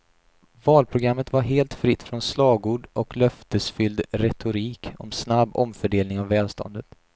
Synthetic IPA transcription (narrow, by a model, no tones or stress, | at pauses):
vɑːlpʰɾʊɡɾamːət̪vaɾɦeːlt̪fɾɪt̪ːfɾɔnslɑːɡuːɖɔklœft̪əsfʏld̪ɾɛt̪ʰʊɾiːkɔ̰msnabːɔ̰mfœɖeːlnɪŋavvːɛːlst̪ʰɔ̰nd̪ət̪